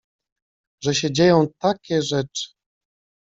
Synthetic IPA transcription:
ʐɛɕɛd͡ʑejɔ̃w̃t̪akʲɛʐɛt͡ʂɘ̥

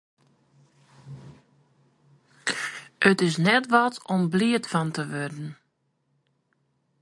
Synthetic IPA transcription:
ʔətɪsnɛtʋɔtɔmbliətfɑntəʋørdən̩

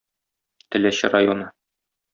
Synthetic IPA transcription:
t̪ɘ̆læɕɘɾajonɤ

